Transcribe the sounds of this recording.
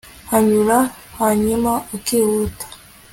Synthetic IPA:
haɲuɾahaɲimaokiwutḁ

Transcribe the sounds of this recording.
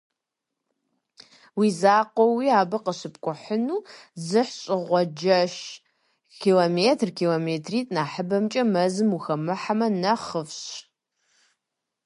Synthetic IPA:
wiːzaːqʷɔwiaːbɐqəɕɨpkʷʼʊħənuːzɨħɕʼɪʁʷɔd͡ʒɐʃ | kʰiːlomeːtʰrkʰiːloːmeːtʰriːtʼnaːħəbɐmt͡ʃʼɐmɐzɨmuxɐmɨħamɐnɐχəfɕ

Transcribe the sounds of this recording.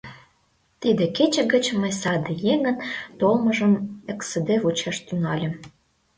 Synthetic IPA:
t̪id̪ĕket͡ɕə̆ɡə̆t͡ɕməjsɑd̪əjeŋənt̪olməʒəmeksed̪evut͡ɕɑʃt̪ynɑlʲĕm

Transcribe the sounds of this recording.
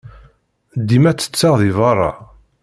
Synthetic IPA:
d̪ːimæt͡sːə̥t͡sːɑʁðivɑrˤːɑ̰

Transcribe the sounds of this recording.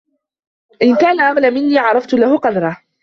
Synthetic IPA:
ʔɪnkaːnaʕamlamɪnːiːʕɑɾˤɑft̪ʊlahʊqɑd̪ɑɾˤɑ

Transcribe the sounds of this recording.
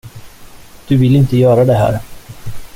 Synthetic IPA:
d̪̥ɵvɪlɪnt̪əjœːɾad̪ɛɦæ̰ːɾ

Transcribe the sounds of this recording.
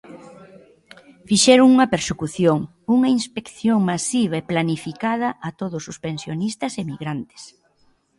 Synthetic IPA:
fiʃɛɾʊŋuŋɐpeɾsekuθjoŋ | uŋɐinspekθjoŋmasiβ̞ɐeplanifikaðɐʔat̪oðʊsʊspensjonist̪ɐsemiɣɾant̪ɪ̥s

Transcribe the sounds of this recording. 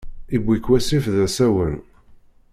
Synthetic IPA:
ibʷːikwæsifðæsæwən

